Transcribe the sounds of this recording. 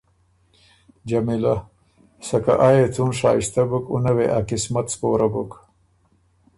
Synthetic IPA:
d͡ʒamila | sɐka̰ʔajet͡sunʂɑːiʃt̪abukṵnaweʔakɪsmat̪spoːɾabuk

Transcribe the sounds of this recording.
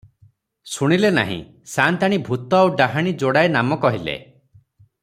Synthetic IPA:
suɽ̃ilena̰ɦḭ̃ | sant̪aɽ̃ibʱut̪ɔawɖaɦaɽ̃id͡ʒoɽaenamɔkɔɦilḛ

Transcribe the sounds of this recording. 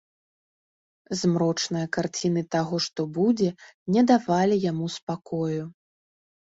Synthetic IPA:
zmɾɔt͡ʂnɨjɐkart͡sʲinɨt̪aɣɔʂt̪ɔbud͡zʲɛnʲɛd̪avalʲijamuspakɔju

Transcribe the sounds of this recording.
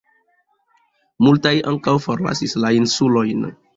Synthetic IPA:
multajʔa̰ŋkawfoɾla̰sislainsulojn

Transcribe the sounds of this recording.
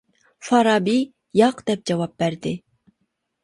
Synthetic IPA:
fɑɾɑbi | jɑqd̪̥ɛp̚d͡ʒɑwɑp̚bæɾd̪ɪ

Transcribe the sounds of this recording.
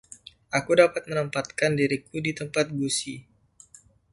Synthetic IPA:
ʔakudapat̪̚mənəmpat̪̚kandiɾikudit̪əmpat̪̚ɡusi

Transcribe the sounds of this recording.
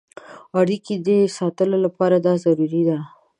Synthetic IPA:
aɽikid̪esɑt̪əlolapɑɾad̪ɑzaɾuɾid̪a

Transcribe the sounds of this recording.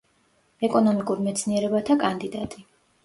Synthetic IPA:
ɛkʼɔnɔmikʼuɾmɛt̪sʰniɛɾɛbat̪ʰakʼand̪id̪at̪ʼi

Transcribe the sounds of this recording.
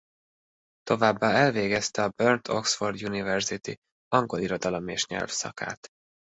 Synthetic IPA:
t̪o̞vaːbːaːɛlveːɡɛst̪ɛɒbørnt̪ʰo̞̰ksford̪junivɛrzit̪ḭ | ɒŋɡo̞liɾo̞d̪ɒlo̞meːʃɲɛ̰lfsɒ̰ka̰ːt̪

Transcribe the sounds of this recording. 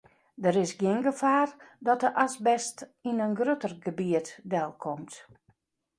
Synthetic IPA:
dəɾɪsɡjɪnɡəfaːrdɔt̚əʔasbɛstinənɡrøtərɡəbiətdɛlˠkʰɔmt

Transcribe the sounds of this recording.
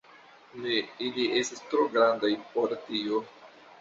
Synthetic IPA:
neilie̞stistɾo̞ɡɾandajpoɾtio

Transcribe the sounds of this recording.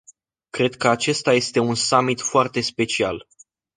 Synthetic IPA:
kɾe̞d̪̚kəat͡ʃe̞st̪aje̞st̪e̞unsamit̪foart̪e̞spe̞t͡ʃial

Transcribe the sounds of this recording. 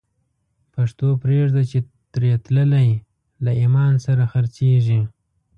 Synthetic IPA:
paʂt̪opɾeʐd̪at͡ʃe | t̪ɾet̪ləlaj | laimɑnsaɾaxaɾt͡seʐi

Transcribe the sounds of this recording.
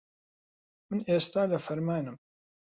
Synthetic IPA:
mənʔest̪ælæfəɾmænəm

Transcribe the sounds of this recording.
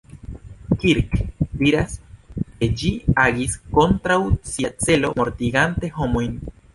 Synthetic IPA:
kiɾkviɾaske̞d͡ʒiaɡisko̞nt̪ɾawsiat͡se̞lo̞mo̞ɾt̪iɡante̞ɦo̞mojn

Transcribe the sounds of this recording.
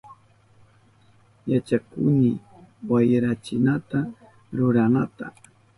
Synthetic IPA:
jat͡ʃakʊ̰nɪ | wajɾat͡ʃɪnat̪a | ɾʊɾanat̪a

